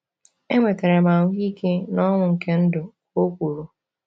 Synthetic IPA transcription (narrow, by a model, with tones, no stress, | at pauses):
e˦ŋʷe˨te˨ɾe˨ma˨ŋʷʊ˦ɡi˦ke˦nɔ˦ŋʷʊ˨ŋ̩˨ke˦n̩˦dʊ˨ko˦kʷu˨ɾu˨